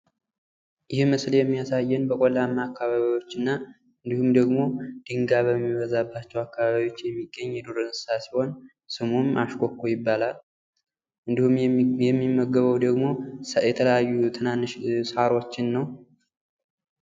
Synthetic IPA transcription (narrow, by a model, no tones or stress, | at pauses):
jɪhməsljɛmːijasajːɛnbəkʼolamːaakːaβaβiwo̞t͡ʃːɨnːa | ɨnd̪ihumd̪əɡmo̞d̪̥ɨŋɡaβəmːiβəzabːat͡ʃːɛwakːaβaβjo̞t͡ʃːjɛmːiɡːəɲːjɛd̪oɾɨnɨsɨsasi̥ho̞n | sɨmumaʃkʰʼokʰːojɪbːalal | ɨnd̪ihumjɛmːimːəɡːəβəwd̪əɡmo̞jɛt̪ʰələjajːut̪ʰɨnanʃsaɾo̞t͡ʃːɪnːəw